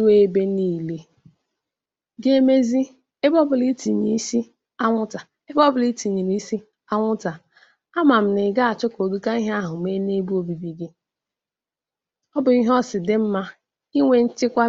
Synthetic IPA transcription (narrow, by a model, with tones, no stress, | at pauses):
u˦e˦be˦ni˦˨le˦ | ɡe˦me˦zi˦ | e˦bɔ˦bʊ˨li˦ti˨ɲi˦i˦si˦ | a˦ŋʷʊ˦ta˨ | e˦bɔ˦bʊ˨li˦ti˨ɲi˨ɾi˦i˦si˦ | a˦ŋʷʊ˦ta˨ | a˦ma˨m̩˨nɪ˨ɡa˦a˨t͡ʃʊ˦ko˨du˦ka˦i˦ɦa˦ɦʊ˨me˦ne˦bu˦o˨bi˨bi˨ɡɪ˦ | ɔ˦bʊ˨i˦ɦɔ˦sɪ˨dɪ˨m̩˦ma˦ | i˦ŋʷe˨n̩˦t͡ʃɪ˦kʷa˦